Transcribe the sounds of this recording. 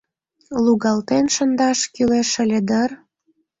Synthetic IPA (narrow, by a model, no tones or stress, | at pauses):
luɣɑlt̪enʃənd̪ɑʃkyleʃə̆lʲed̪ər